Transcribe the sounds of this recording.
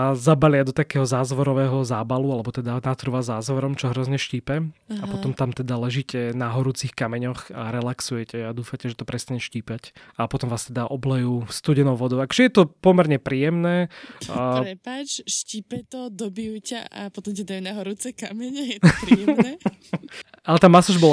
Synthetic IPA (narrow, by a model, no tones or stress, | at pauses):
zabalɪad̪ɔt̪akɛːɦɔzaːzʋɔɾɔʋɛɦɔzaːbalualɛbɔt̪ɛd̪anat̪rɾuʋazaːzʋɔɾɔmt͡ʃɔɦɾɔzɲɛʃciːpɛappɔɔmt̪amt̪ɛd̪alɛʒiːcɛnaɦɔɾuːt͡sixkamɛɲɔxaɾɛlaksujɛcɛad̪uːfacɛʒɛt̪ɔpɾɛst̪aɲɛʃciːpacapɔt̪ɔmʋaːst̪ɛd̪aʔɔblɛjust̪uːɟɛnɔʊʋɔd̪ɔʊakɔ̥ʒɛjɛt̪ɔpɔmɛɾɲɛpɾiːjɛmnɛː | ɾɛpat͡ʃʃciːpɛt̪ɔd̪ɔbijucaʔa̰pɔt̪ɔmcɛd̪anaɦɔɾut͡sɛkamɛɲɛɛ | alɛt̪aːmːasuʒbɔl